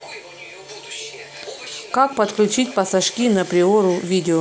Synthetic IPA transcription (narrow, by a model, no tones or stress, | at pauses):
kak̚pət̪klʲʉt͡ɕit̚ʲpɐsɐʂkʲinɐpɾʲɪoɾʊvʲidʲɪo